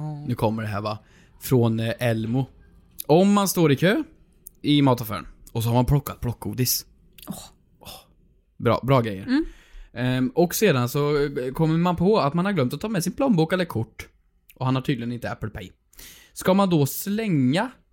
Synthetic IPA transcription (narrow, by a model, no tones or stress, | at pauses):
nʉ̟ːkʰɔmːəɖɛɦæ̰ːɾva | fɾɔnʔɛlmʊ | ɔmːanst̪oːɾɪkʰøː | ɪmɑːt̪ʰɔfø̰ːɾə̰nɔs̬ɔhaɾmanpʰlɔkːat̪̚pʰlɔkːɡuːd̪ɪs | ɔ | bɾɑ̰ːbɾɑːɡɾɛjːə̰ɾ | ɔkseːd̪ansɔkʰɔmːəmanpʰɔat̪manhaɾɡlœmt̪ɔt̪ʰːmɛsɪnpʰlɔmbuːkɛlːəɾkʰʊʈː | ʔɔhanhaʈʰyːd̪lɪɡənɪnt̪əæpːəlpʰɛ̰j | skamand̪ɔslɛŋːa